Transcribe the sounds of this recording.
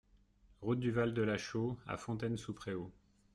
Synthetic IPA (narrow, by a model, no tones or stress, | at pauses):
ʁut̪̚d̪yvald̪əlaʃoa̰fɔ̃t̪ɛnsupχeo